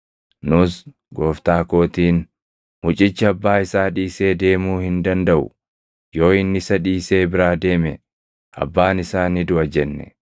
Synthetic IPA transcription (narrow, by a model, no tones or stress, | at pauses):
nʊs | ɡo̞ːft̪aːko̞ːt̪iːn | mʊt͡ʃʼɪt͡ʃːɪɐbːaːɪsaːᶑiːse̞ːd̪e̞ːmuːhɪnd̪ɐnd̪ɐʔʊ̰ | jo̞ːɪnːɪsɐᶑiːse̞ːbɪɾaːd̪e̞ːmɛ | ʔɐ̰bːaːnɪsaːnɪd̪ʊɐd͡ʒɛnːɛ̰